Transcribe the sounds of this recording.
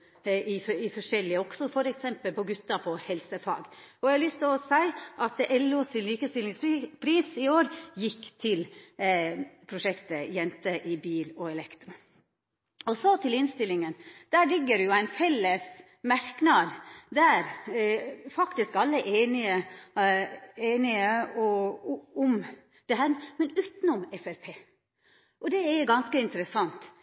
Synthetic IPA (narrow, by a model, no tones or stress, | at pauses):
ɪɪfɔʂɛlːɪəɔksɔfɔɾɛksɛmpəlpʰɔɡʉt̪ːɑpʰɔhɛlsəfɑ̰ːɡɔæhɑlʏst̪ʰɪlɔsæɪʔɑt̪ʔɛlːosɪnliːkəst̪ɪlɪŋspʰɾiːsɪoːɾjɪkːt̪ʰɪl | pʰɾʊʂɛkt̪əjɛnt̪əʔɪbiːlɔɛlɛkt̪ɾʊ | ɔsɔt̪ʰɪlɪnst̪ɪlːɪŋənd̪̥æːɾlɪɡːəɾɛjʊæɪnfɛlːəs | mɑɾknɑd̪d̪æɾ | fɑkt̪ɪskɑlːəʔeːnɪə | eːnɪəɔ | ʊm | d̪̥ɛɦæːɾmɛnʉːt̪n̩ɔmɛfæɾpʰeː | ʔɔd̪ɛɛɡɑnskəɪnt̪əɾəsɑnt̪